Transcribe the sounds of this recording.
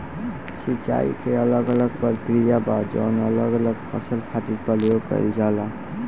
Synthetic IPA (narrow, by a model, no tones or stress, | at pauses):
sit͡ʃa̰ḭkeələɡələɡ̚pəɾkɾijabad͡ʒɔ̰nələɡələɡpʰə̰səlk̪ʰaʈit̪pəlijopə̰ɪld͡ʒala